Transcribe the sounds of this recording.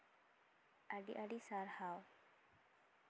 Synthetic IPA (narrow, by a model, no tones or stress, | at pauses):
aɖḭʔaɖisaɾhaw